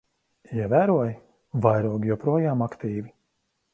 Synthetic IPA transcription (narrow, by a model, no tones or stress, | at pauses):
iɛvæːɾuɔj | vajɾuɔɡʲjɔpɾuɔjaːmakt̪iːvi